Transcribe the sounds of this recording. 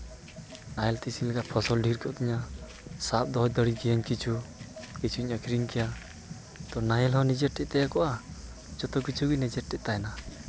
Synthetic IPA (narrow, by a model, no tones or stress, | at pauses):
najɛlt̪isilɛɡapʰɔsɔlɖʱiɾkɔʔt̪iɲa | sap̚d̪ɔɦɔd̪əɽiɡijaɲkit͡ʃʰukit͡ʃʰuiɲakʰɾiŋkɛja | t̪ɔnajɛlɦɔ̃nid͡ʒɛʈ̚ʈɛʔ̚t̪ɛjakɔʔa | d͡ʒɔt̪ɔkit͡ʃʰuɡinid͡ʒɛʈ̚ʈːɛʔ̪̚t̪ajna